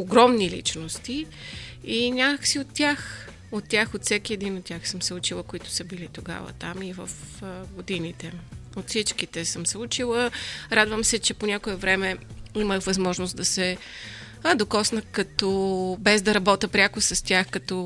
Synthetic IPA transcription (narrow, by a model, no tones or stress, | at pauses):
oɡɾɔmnilḭt͡ʃnost̪i | inʲakəxsiot̪ːʲax | ot̪ːʲaxot̪fsɛkiɛd̪inot̪̚ːʲaxsəmsɛut͡ʃilˠəkoit̪ʊ̥səbilit̪oɡa̰və̰t̪amivəfɡod̪init̪ɛot̪fsit͡ʃkit̪ɛsəmsɛut͡ʃilˠəɾad̪vəmsɛt͡ʃɛponʲakoɛvɾɛmɛiməxvɐzmɔʒnosd̪ɐsɛ | ɐd̪okɔsnəkɐt̪ɔbɛzd̪ɐɾɐbɔt̪əpɾʲakʊsɐst̪ʲaxkɐt̪ɔ